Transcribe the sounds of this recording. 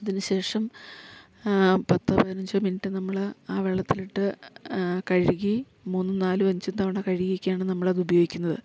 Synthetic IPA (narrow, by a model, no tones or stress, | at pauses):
ɐðinɨɕe̞ːʂɐm | pɐt̪ːɐpɐðɐnɐɲd͡ʑoːminitːɨnɐmːɐɭaːʋeɭːɐt̪ːiliʈːɨ | kɐɻiɣi | muːnːɨnaːlɨʋɐɲd͡ʑunt̪ɐʋɐɳɐkɐɻiɣiikʲːjaːɳɨnɐmːɐɭɐðubɐjoːɡikʲːunːɐðɨ̰